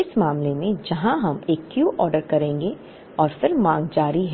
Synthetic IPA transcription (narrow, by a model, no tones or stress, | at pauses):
ɪsmaːmlemẽd͡ʒɐɦãɦɐmeːkːjuːʔɔːɾɖəɾkɐɾẽːŋɡe | ɔːɾfɪɾmãːŋɡd͡ʒaːɾiɦ